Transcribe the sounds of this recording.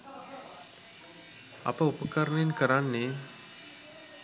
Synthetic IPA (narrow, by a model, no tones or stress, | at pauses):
a̰pəupəkəɾəɳəenkəɾanːe